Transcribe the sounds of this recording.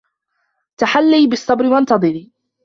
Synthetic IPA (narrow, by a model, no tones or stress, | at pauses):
t̪aħalːiːbɪsˤːɑbɾɪwant̪ɑd̪ˤɨɾiː